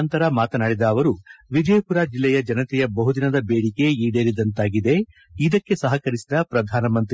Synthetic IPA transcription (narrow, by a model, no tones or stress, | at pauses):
nt̪ɐɾɐmaːt̪ɐnaːɽid̪ɐːʋɐɾuʋid͡ʒɐjɐpuɾaːd͡ʒilːɛjɐd͡ʒɐnɐt̪ɛjɐbɐɦud̪inɐd̪ɐbeːɽike̞iːɖeːɾid̪ɐnt̪aːɡid̪e̞ | id̪ɐkːe̞sɐɦɐkɐɾisid̪ɐpɾɐd̪ʱaːnɐmɐnt̪ɾ